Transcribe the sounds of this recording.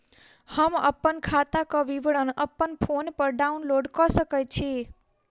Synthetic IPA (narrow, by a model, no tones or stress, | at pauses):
həmə̰pːənkʰat̪akaʋiʋɽənəpːənpʰonpəɾɖaunloɖkɔsəkajt͡ʃʰe